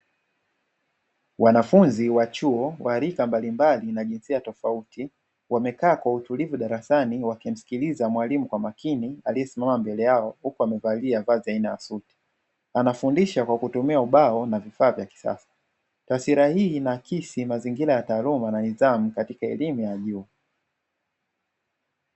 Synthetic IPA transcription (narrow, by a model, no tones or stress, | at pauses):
wanafunziwat͡ʃuɔwʔaɾikambalimbalinaʄinsiatɔfauti | wamɛkaːkwautulivuɗaɾasaniwakim̩si̥kilizamwalimukwamakinialiɛsimamambɛlɛjaɔhukuwamɛvaliavaːziainajasuti̥ | anafundiʃakwakutumiauɓaɔnavifaːvjaki̥sa̰sḁ | tasiɾahiːnakisimaziŋɡiɾajataːlumananizamukatikaɛlimujaʄuː